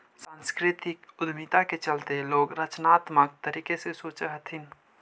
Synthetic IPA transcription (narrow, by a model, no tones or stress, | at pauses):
sãnskɾɪt̪ɪkʊd̪mit̪aket͡ʃəlt̪eloːɡɾət͡ʃnat̪mək̚t̪əɾiːkesesoːt͡ʃəɦət̪ʰin